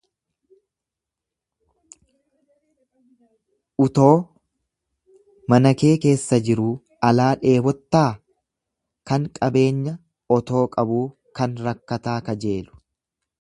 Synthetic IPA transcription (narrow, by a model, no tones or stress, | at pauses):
ʔʊt̪o̞ː | mɐnɐke̞ːke̞ːsːɐd͡ʒɪɾuː | ɐlaːᶑe̞ːbɔt̪ːaː | kɐŋkʼɐbe̞ːɲːɐ | ɔt̪o̞ːkʼɐbuː | kɐnɾɐkːɐt̪aːkɐd͡ʒe̞ːlʊ̥